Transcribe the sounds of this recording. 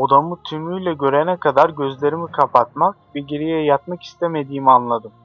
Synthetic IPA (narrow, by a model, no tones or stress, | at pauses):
o̞d̪amut̪ʰymyjlʲɛɟø̞ɾɛnɛkʰad̪aɾɟøzlʲeɾimikʰapʰat̪mak̚biɟeɾijɛjat̪maki̥st̪ʰeme̞d̪iːmianlˠad̪ɯm